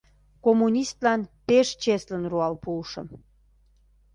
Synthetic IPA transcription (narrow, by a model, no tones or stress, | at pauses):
komunʲist̪lɑnpeʃt͡ɕeslənruɑlpuːʃə̰̆m